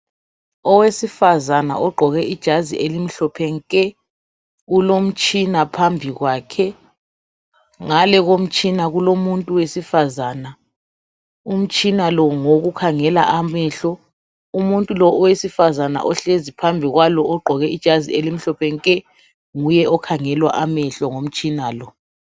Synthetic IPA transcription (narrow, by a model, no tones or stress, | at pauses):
ɔwesifazana̰ʔɔɡ͡ǃʱɔɣɛʔid̥ʒ̥ʱazḭʔelim̩ɬɔpʰɛŋkʼɛ | ulom̩t͡ʃʼinapʰambʱiɣwaːkʰɛ | ŋalɛɣom̩t͡ʃʼinaɣulomuntʼuwesifazaːna | um̩t͡ʃʼinalɔŋoɣukʰaŋɛla̰ʔamɛɬɔ | umuntʼulɔʔɔwesifazana̰ʔɔɬezipʰambʱiɣwalɔʔɔɡ͡ǃʱɔɣɛid̥ʒ̥ʱazḭelim̩ɬɔpʰɛŋkʼɛ | ŋujɛɔkʰaŋɛlwa̰ʔamɛɬɔŋom̩t͡ʃʼinaːlɔ